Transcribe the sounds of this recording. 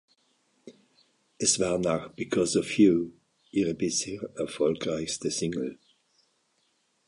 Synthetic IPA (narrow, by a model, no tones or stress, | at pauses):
ɛsvaːnaxb̥ikʰɔzɔfju | iʁəbɪsheːɹɛfɔlkʁaɪçstəsɪ̃ŋl̩